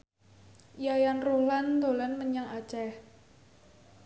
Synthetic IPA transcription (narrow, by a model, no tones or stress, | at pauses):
ʔijajanruland̪o̤lanməɲaŋat͡ʃɛh